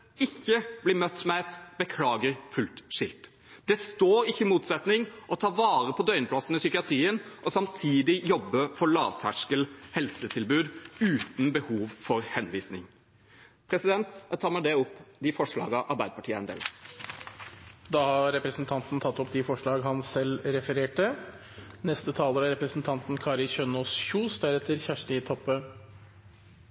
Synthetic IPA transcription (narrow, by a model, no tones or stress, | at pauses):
ɪçːəblɪmœt̪ːmɛɛt̪bəkʰlɑːɡəɾfʉlt̪ʂɪlt̪ | d̪̥ɛst̪oːɾɪçːəɪmuːt̪sɛt̪nɪŋʔɔt̪ʰɑːʋɑːɾəpʰɔd̪œʏnəpʰlɑsn̩əsʏkɪɑt̪ʰɾiːənʔɔsɑmt̪ʰiːd̪ɪjɔbːəfɔɭɑːʋt̪ʰæʂkəlhɛlsət̪ʰɪlbʉːd̪ʉːt̪n̩bəhuːʋfɔɾhɛnʋiːsnɪ̰ŋ | pʰɾɛsɪd̪ɛnt̪t̪ʰɑːɾməd̪ɛʊpːd̪ɪfɔʂɭɑ̰ːɡɑʔɑɾbæɪd̪əpɑʈʰiːəɑɛnd̪ḛːl | d̪ɑːhɑɾɛpɾəsnt̪ʰɑnt̪n̩t̪ʰɑt̪ːɔpd̪ɪfɔʂɭɑːɡɦɑnsɛlːɾɛfəɾeːʈə | nɛst̪ət̪ʰɑːləɾɑɾɛpɾəsn̩t̪ʰɑnt̪n̩kʰɑːɾɪçœnoːsçuːsd̪æɾɛt̪ːəɾçæʂʈəɪt̪ʰɔpːə